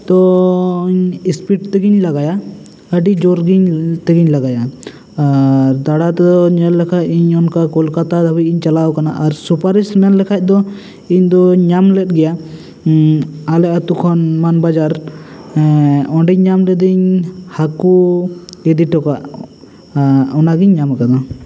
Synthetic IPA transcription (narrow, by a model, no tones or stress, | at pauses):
t̪ɔiɲispiʈt̪ɛɡiɲlaɡaja | əɖid͡ʒɔɾɡiɲt̪ɛɡiɲlaɡaja | ɾd̪aɽat̪ɛd̪ɔɲɛllɛkʰac̚iɲɔnkakɔlkat̪ad̪abit̪̚iɲt͡ʃalaɔkana̰ʔaɾsupaɾismɛnlɛkʰac̚ˀd̪ɔ | iɲd̪ɔɲamlɛt̪̚ɡɛja | alɛʔat̪ukʰɔnmanbad͡ʒaɾ | ɔɖiɲɲamɾɛd̪iɲhaku | ɛd̪iʈɔkaʔ | ɔnaɡiɲːamakana